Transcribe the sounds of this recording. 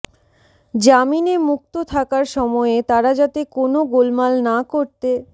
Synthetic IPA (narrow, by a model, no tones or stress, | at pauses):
d͡ʑaminemuk̚t̪ot̪ʰakaɾʃɔmɔet̪aɾad͡ʑat̪ekonoɡolmalnakoɾt̪e